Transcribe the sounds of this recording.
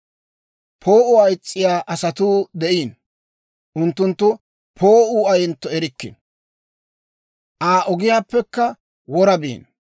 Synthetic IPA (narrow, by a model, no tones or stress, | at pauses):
pʰo̞ːʔʊɐjt͡sʼːɪjaːʔɐsɐt̪uːd̪ɛʔiːn | ʔʊnt̪ːʊnt̪ːʊ | pʰo̞ːʔuːɐjɛnt̪ːɔɛɾɪkːɪ̰n | ʔaːʔɔɡɪjaːpːɛkːɐ | wɔɾɐbḭːn